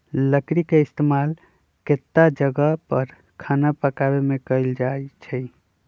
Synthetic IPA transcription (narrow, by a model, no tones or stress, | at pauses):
ləkɾikeist̪emal | ket̪ːad͡ʒəɡəpəɾ | kʰanapəkabemekəɪld͡ʒaet͡ʃʰɛ